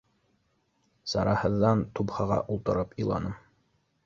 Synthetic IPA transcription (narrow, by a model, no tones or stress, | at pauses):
sɑ̰ɾɑhɤ̆ðːɑnt̪upχɑʁɑ̰ʔulˠt̪ɤ̆ɾɤpilˠɑ̰nɤm